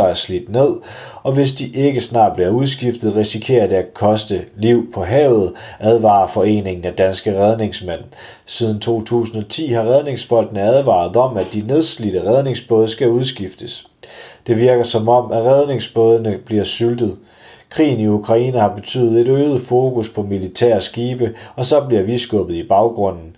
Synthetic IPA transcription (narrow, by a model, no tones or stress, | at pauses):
ɑ̈ɪɐslid̥ne̝ð̞̰ˠ | ɒ̽ʋe̝sd̥iʔe̝ɡ̥əsnɑ̈ːd̥̚b̥liɐuð̞ˠsɡ̥ifd̥ð̩ˠʁisikʰe̝̰ːɐd̥e̝ækʰɒ̽sd̥əliʊ̰pʰɒ̽ɦɛ̰ːʊð̩ˠʔæð̞ˠʋɑ̈ːɐfɒ̽e̝̰ːne̝ŋn̩æd̥ænsɡ̥əʁɛð̞ˠne̝ŋsmen̰ | siːð̞ˠn̩t͡sʰo̝̰ːt͡sʰṵːsn̩ɒ̽t͡sʰḭːhɑ̈ʁɛð̞ˠne̝ŋsb̥ɒ̽l̰d̥nəæð̞ˠʋɑ̰̈ð̩ˠɒ̽m̰æd̥ine̝ð̞ˠslid̥əʁɛð̞ˠne̝ŋsb̥ɔð̞ˠəsɡ̥æuð̞ˠsɡ̥ifd̥əs | d̥e̝ʋiɐɡ̥ɐsɒ̽mɒ̽m̰æʁɛð̞ˠne̝ŋsb̥ɔð̞ˠənəb̥liɐsyld̥ð̩ˠ | kʰʁḭːn̩iukʰʁɑ̈ḭːnəhɑ̈b̥e̝t͡sʰy̰ːð̩ˠe̝ɾøːð̩ˠfo̝ːkʰuspʰɒ̽milit͡sʰæ̰ɐ̰sɡ̥iːb̥əɒ̽sɒ̽b̥liɐʋisɡ̥ɔb̥ð̩ˠib̥ɑ̈ʊɡ̥ʁɔ̽n̰n̩